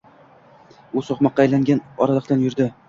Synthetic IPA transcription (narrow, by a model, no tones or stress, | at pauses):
ʊsɒχmɒqːɑːjlaŋɡʲanɒɾalˠɨq̚t̪anjʊɾd̪ɪ